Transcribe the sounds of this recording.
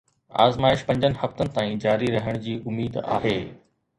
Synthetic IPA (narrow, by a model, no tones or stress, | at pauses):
a̰ːzmaːɪʃpɐ̃ɲd͡ʑənɪ̆hɐft̪ənɪ̆t̪aːĩd͡ʑaːɾiɾɐɦəɽ̃d͡ʑiːʔʊmːiːd̪a̰ːɦeː